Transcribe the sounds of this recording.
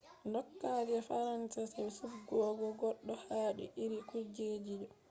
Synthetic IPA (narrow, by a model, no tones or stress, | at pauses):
ndɔkːad͡ʒiɛfaɾansasawsufɡɔːɡɔɡɔɗːɔhaːɗḭʔiɾikuɾd͡ʒeːd͡ʒid͡ʒɔ